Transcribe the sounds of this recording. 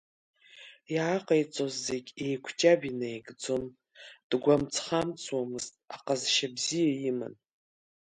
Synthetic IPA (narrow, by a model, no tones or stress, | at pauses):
jaaqʼajt͡sʼozːeɡʲejkʷʰt͡ʃʼabinajɡd͡zom | d̥ɡʷamt͡sʰχamt͡sʰʼwamɨztʼaqʼazʃabzijajimɨ̰n